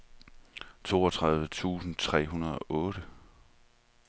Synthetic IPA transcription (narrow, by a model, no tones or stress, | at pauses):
t͡sʰo̝̰ːɒt͡sʰʁað̞ˠʋət͡sʰṵːsn̩t͡sʰʁɛ̰ːɦunɐð̞̩ˠɒ̽ʔɔ̽ːɾ̥ə